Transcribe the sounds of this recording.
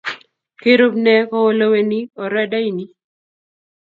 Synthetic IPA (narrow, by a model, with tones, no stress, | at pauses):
ke˦ɾo˦bnɛ˦kɔ˦o˦lo˦we˨ni˦ɔ˨ɾɛ˦da˦i˦ni˦